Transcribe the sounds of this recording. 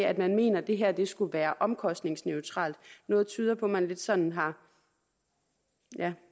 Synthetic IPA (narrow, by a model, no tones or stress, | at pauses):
æd̥mænme̝̰ːnɐd̥e̝ɦæɐ̰d̥e̝sɡ̥uʋæːɐʔɒ̽mkʰɒ̽sd̥ne̝ŋsneʊt͡sʰʁɑ̰̈ːld̥nɔ̽ːð̞̩ˠt͡sʰyːð̞ˠɐpʰɒ̽mænle̝d̥sɒ̽n̰n̩ɦɑ̈ | jæ